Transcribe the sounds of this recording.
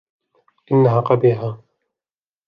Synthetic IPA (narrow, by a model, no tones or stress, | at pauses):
ʔɪnːaɦaːqɑbiːɦaː